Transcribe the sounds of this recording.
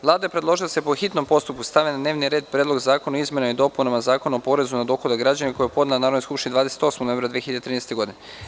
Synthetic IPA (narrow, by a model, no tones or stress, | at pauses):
ʋlˠaːd̪ajepɾed̪lˠo̞ʒilˠasepoxit̪no̞mpo̞st̪up̚kust̪aʋenad̪ne̞ːʋniɾe̞ːd̪̚pɾjed̪lo̞ɡzaːkonoizmje̞naid̪o̞punamazaːko̞nuopo̞ɾe̞zunad̪o̞xod̪aɡɾad͡ʑaneko̞jepo̞d̪nanaːɾod̪noskupʃt̪inid̪ʋaːd̪ese̥t̪o̞smonoemɾad̪ʋieçiʎad̪et̪ɾinest̪eɡo̞d̪in